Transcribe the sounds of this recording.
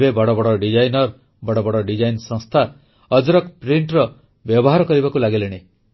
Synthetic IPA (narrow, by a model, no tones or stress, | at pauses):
bebɔɽɔbɔɽɔɖid͡ʒajnɔɾ | bɔɽɔbɔɽɔɖid͡ʒajnsɔ̃ŋst̪ʰa | ɔd͡ʒɾɔkpɾiɳʈɾɔ | bjɔbɔɦaɾɔkɔɾibakulaɡeleɽ̃e